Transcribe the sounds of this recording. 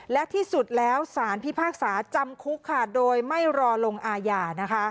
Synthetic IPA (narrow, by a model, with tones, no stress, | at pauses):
lɛ˦˥ʔt̪ʰiː˥˩su˨˩t̪̚lɛː˦˥wsaː˩˦npʰi˦˥pʰaː˥˩k̚saː˩˦t͡ɕa˧mkʰu˦˥kʰːa˧˩doː˧jma˥˩jɾɔː˧lo˧ŋʔaː˧jaː˧na˦˥kʰa˦˥